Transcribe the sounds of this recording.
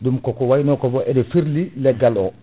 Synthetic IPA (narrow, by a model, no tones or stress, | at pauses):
dumkɔkɔwajnɔkɔfɔʔɛdɛfiɾlilɛɡalɔ